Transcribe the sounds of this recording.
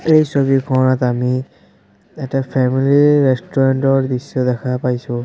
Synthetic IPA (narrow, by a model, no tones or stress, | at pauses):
ejsobikʰɔɹnatami | ɛtapʰɛmiliɹɛstɔɹantɔɹbisːɔdɛkʰapajsʊ̃